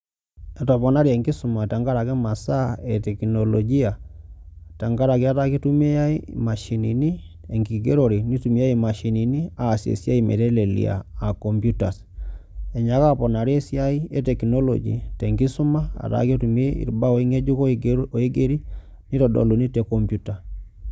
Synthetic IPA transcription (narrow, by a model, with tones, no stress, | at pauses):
ɛ˨tɔ˨pɔ˨na˦ɾi˦a˨ŋɡi˦su˨ma˨ta˨ŋɡa˦ɾa˨kɛ˦ma˨sa˦ɛ˨tɛ˨kino˨lɔ˨ɡi˦a˨ | ta˨ŋɡa˦ɾa˨ki˦a˦ta˦ki˦tu˦me˦ja˦i˦ma˨ʃi˨ni˨ni˦ | e˨ŋɡi˨ɡe˦ɾo˨ɾi˨ni˦tu˨mi˦a˦i˨ma˨ʃi˨ni˨ni˦a˨sjḛ˨sja˦i˦mḛ˨ɾɛ˦le˨lḭ˨a̰ː˨ko˨mbju˦ta˨s | ɛ˨ɲa˨ka˦pɔ˨na˨ɾe˦sja˦i˦e˦tɛ˨kino˦lɔ̰˨d͡ʒḭ˨tɛ˨ŋɡi˦su˦ma˦a̰˨ta̰˦ki˦tu˨me˦ḭ˨ɾba˦o˨i˦ŋe˦d͡ʒu˦koo˨i˦ɡe˦ɾi˦ | ni˦tɔ˨dɔ̰˨lu˨ni˦tɛ˨kɔ˨mpju˦ta˨